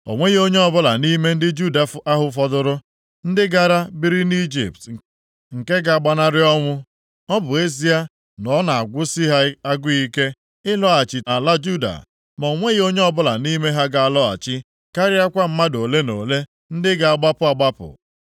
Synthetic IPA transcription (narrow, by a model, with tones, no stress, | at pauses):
o̰˨ŋʷe˦ɣi˦o˦ɲe˦ɔ˦bʊ˦la̰˨ni˦me˦n̩˦dɪ˦d͡ʒu˦da˨˦a˦ɦʊ˦fɔ˦dʊ˦ɾʊ˦ | n̩˦dɪ˦ɡa˦ɾa˦bi˦ɾi˦ni˦d͡ʒḭ˨p̚t | ŋ̩˨ke˦ɡa˨a˨ɡ͡ba˨na˦ɾɪ˦ɔ˦ŋʷʊ˦ | ɔ˦bʊ˨e˦z̬i˦a˦ | nɔ˨˦na˨a˨ɡʷʊ˦si˦ɦa˦a˦ɡʊ˦i˦ke˦ | ɪ˦lɔ˦a˨t͡ʃɪ˨a˨la˦d͡ʒu˦da̰˨ | mɔ˨o˨ŋʷe˦ɣi˦o˦ɲe˦ɔ˦bʊ˦la̰˨ni˦me˦ɦa˦ɡa˨a˨lɔ˦a̰˨t͡ʃɪ˦ | ka˦ɾɪ˦a˦kʷa˦m̩˦ma˦do˨le˦no̰˨le˦ | n̩˦dɪ˦ɡa˨a˨ɡ͡ba˦pʊ˦a˨ɡ͡ba˦pʊ̰˨